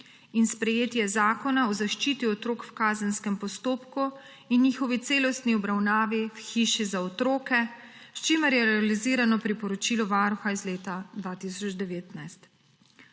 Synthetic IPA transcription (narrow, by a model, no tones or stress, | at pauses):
inspɾɛjeːt̪jɛzaːkɔnaɔzaʃt͡ʃit̪iɔt̪ɾoːkwkaːzənskɛmpɔst̪oːpku | inːiːxɔʋit̪seːlɔst̪niɔbɾawnaːʋiwxiːʃizaɔt̪ɾoːkɛ | st͡ʃiməɾjɛɾɛaliziːɾanɔpɾipɔɾɔt͡ʃiːlɔʋaːɾuxaizleːt̪ad̪ʋaːt̪isɔd͡ʒd̪ɛʋeːt̪najst̪